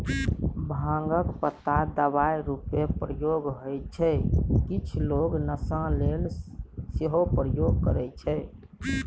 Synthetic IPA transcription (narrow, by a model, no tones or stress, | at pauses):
bʱãŋɡəkpət̪ːad̪əbajɾupepɾəjoɡɦojt͡ʃʰɛkit͡ʃʰloɡnəsãlelseɦopɾəjoɡkə̰ɾɛt͡ʃʰɛ